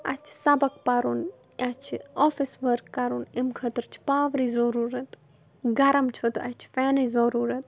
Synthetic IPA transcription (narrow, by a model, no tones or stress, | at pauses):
ɐ̰t͡ʃʰi̥sɐbɐkpɐɾun | ʔɐt͡ʃʰiofisʋəɾkːɐɾunimkʰət̪ɾt͡ʃʰi̥paːʋɾiːzoɾuːɾɐt̪ | ɡɐɾɐmt͡ʃʰot̪ɐ̰t͡ʃʰi̥fɛːnɐzɐɾuːɾɐt̪̚